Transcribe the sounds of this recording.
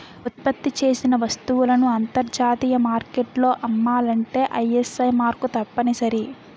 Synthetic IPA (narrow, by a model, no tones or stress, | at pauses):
ut̪̚pɐt̪ːit͡ʃe̞ːsinɐʋɐst̪uʋulɐnuɐnt̪ɐɾd͡ʒaːt̪iːjɐmaːɾkeʈlo̞ːʔɐmːaːlɐɳʈe̞ːʔɐjesɐjmaːɾkut̪ɐpːɐnisɐɾi